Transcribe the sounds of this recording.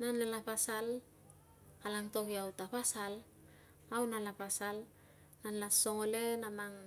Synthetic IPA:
nanelapasal | alaŋto̞kiawtapasal | awnalapasal | nanlaso̞ŋolenamaŋ

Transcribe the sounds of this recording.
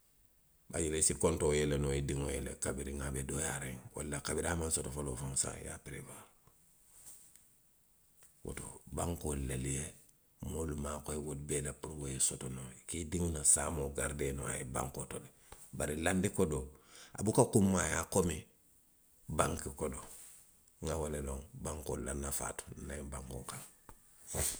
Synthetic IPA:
ba̰juɾesikontojelenoidiŋojelḛkabiɾiŋabedojaɾeŋwa̰lːakabiɾamansotofolofonsa̰ja̰piɾeba | wo̰to̰baŋkolalije | molumakoiwot̚belapuɾwojesotonokidiŋunasamoɡaɾdeno̰a̰jeba̰ŋkotode | baɾilandikodoa̰bukakumːajakomi | baŋkikodo | ŋawaleloŋbaŋko̰lanːafa̰to̥naibaŋko̰kaŋ

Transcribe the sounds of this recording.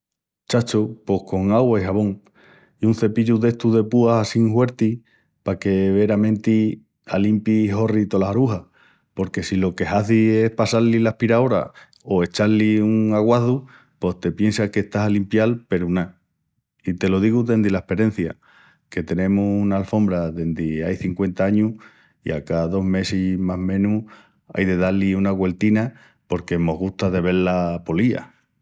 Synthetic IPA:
t͡ʃat͡ʃupo̞hko̞ŋaɣwaiɦaβõ̞ŋ | iun̟θe̞piʎuðe̞ht̪uðe̞puaasiŋhwe̞ɾt̪i | pake̞βe̞ɾamẽ̞nt̪i | alimpiho̞rit̪o̞lahaɾuɦa | po̞ɾke̞silo̞ke̞haθie̞hpasaɾlilahpiɾao̞ɾa̰ | o̞e̞t͡ʃaliuŋaɣwaθu | po̞st̪e̞pje̞nsakeht̪asalimpjalpe̞ɾuna | it̪e̞lo̞ðiɣuðe̞nd̪ilaehpe̞ɾe̞n̟θja̰ | ke̞t̪e̞nẽ̞muunaːlfo̞mbɾaðe̞nd̪iajθiŋkwe̞nt̪aaɲu | ḭa̰kaðo̞ɦme̞simaɦmẽ̞nu | a̰jðe̞ðaliunaɣwe̞lt̪ina | po̞ɾke̞mo̞ɦɣuht̪aðe̞β̞e̞ɾlapo̞lia̰

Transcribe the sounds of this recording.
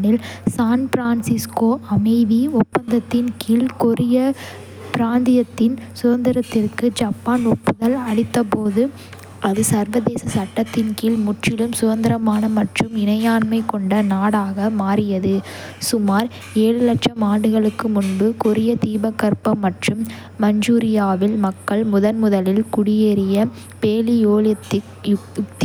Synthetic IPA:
nɪlsaːnpɪɾaːnsɪskoːɐmɐɪðiʊpːɐnd̪ɐt̪ːɪnkiːlkʊɾɪjɐ | pɪɾaːnd̪ɪjɐt̪ːɪnsʊðɐnd̪ɪɾɐt̪ːɪrkɯd͡ʒaːpːaːnʊpːɯðɐlɐɽɪt̪ːɐpoːðɯ | ʔɐðɯsɐɾʋɐðeːsɐsɐʈːɐt̪ːɪnkiːlmʊʈrɪlɯmsʊðɐnd̪ɪɾɐmaːnɐmɐʈrɯmɪnɐjaːnmɐɪkːɔɳɖɐnaːɽaːɣɐmaːɾɪjɐðɯ | sʊmaːɾ | eːɻɯlɐʈʂɐmaːɖɯɣɐɭɯkːɯmʊnbɯkʊɾɪjɐt̪iːbɐkːɐɾpɐmːɐʈrɯmː | ɐɲd͡ʒuːɾɪjaːʋɪlmɐkːɐɭmʊðɐnmʊðɐlɪlkʊɽɪjeːɾɪjɐ | peːlijoːl | jkt̪

